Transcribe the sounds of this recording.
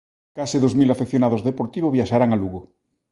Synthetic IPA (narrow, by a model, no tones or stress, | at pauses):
kasɪðozmilafekθjonaðozðepoɾt̪iβ̞oβjaʃaɾaŋaluɣo